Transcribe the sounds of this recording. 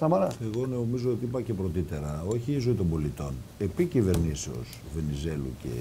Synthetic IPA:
sɐmɐɾɐe̞ɣo̞nomizoot̪iipɐce̞pɾo̞t̪it̪e̞ɾɐo̞çiːzoit̪o̞mbo̞lit̪o̞ne̞picive̞ɾniseo̞̰s | ve̞nize̞lṵce̞̰

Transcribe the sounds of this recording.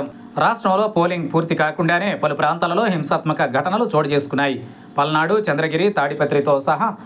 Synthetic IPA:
ɾaːʂʈɾɐmlo̞ːpo̞ːliŋɡpuːɾt̪ikaːkuɳɖaːne̞ːpɐlupɾaːnt̪aːlɐlo̞ːɦimsaːt̪mɐkɐɡʱɐʈɐnɐlut͡ʃoːɽɐt͡ʃe̞ːsu̥kunːaːji | pɐlnaːɽut͡ʃɐnd̪ɾɐɡiɾit̪aːɽipɐt̪ɾit̪oːsɐɦɐ

